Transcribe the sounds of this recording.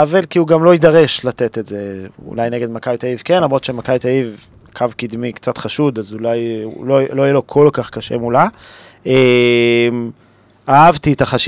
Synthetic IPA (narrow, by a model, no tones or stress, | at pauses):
avelkiuɡamlo̞idaʁe̞ʃlat̪et̪e̞tzeṵlajneɡe̞d̪makajt̪aivkenlomʁo̞t̪ʃemakajt̪aiv | kʰavkid̪mikt͡sat̪χaʃud̪azulajloloijelo̞kʰo̞lkaχkaʃḛmula | e | m | aavt̪it̪aχaʃ